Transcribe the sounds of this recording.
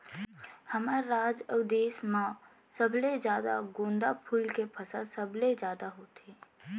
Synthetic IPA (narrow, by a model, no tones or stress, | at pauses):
həməɾːaːd͡ʒəd̪eːsmã | səbled͡ʒjaːd̪a̰ɡõːnd̪apʰulkepʰəsasəbled͡ʒjaːd̪aɦot̪eː